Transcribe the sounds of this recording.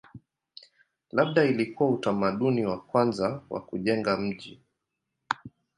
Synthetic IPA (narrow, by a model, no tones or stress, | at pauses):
laɓ̚ɗailikuwautamaɗuniwakwanzawa̰kuʄɛŋɡam̩ʄi